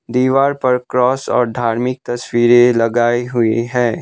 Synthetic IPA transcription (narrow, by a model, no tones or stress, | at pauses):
d̪iːʋaːɾpɐɾkɾɔːsɔ̰ːɾd̪ʱaːɾmɪk̚t̪ɐswiːɾelɐɡaːeɦʊeɦɛ̃ː